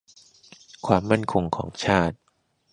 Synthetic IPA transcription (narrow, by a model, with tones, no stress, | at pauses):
kʰwaː˧mːa˥˩nkʰo˧ŋkʰɔ̰ː˩˦ŋt͡ɕʰaː˥˩t̪̚